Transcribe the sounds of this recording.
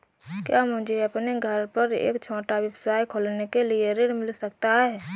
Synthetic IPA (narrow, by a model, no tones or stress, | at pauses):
kjaːmʊ̃d͡ʒʱeɐpneɡʱəɾpəɾḛːkt͡ʃʰõːʈaʋjəbsaːjkʰoːlnekelieɾɪɽmɪlsəkt̪aɦɛː